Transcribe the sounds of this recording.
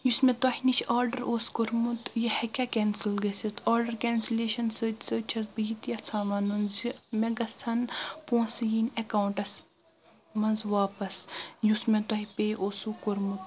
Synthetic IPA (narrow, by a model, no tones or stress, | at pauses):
jusmet̪ɐhinit͡ʃʰaːɾɖɐɾʔoːskoɾmut̪jɐhɐkʲakeːnsilɡɐsit̪ʰaːɾɖɐɾkʲɛːnsileːʃɐnsəːt͡ʃsəːt͡ʃʰɐs̬bəjit̪jɐt͡sʰaːmɐnunzimeɡɐst͡s̪ʰɐnpõːsɨjinɐkaːwuɳʈɐs | mɐnzʋaːpɐsjusmẽt̪ɐɦipeːʔoːsukoɾmut̪